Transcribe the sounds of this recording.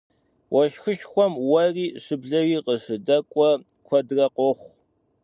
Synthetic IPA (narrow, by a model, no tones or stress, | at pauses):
wʔɐʃxɨʃxʷɔmwɐriːɕɨbɮɐɣiːqəʂɨdɐkʷʼɔ | kʷʰɐdrɐqʷɔχʷ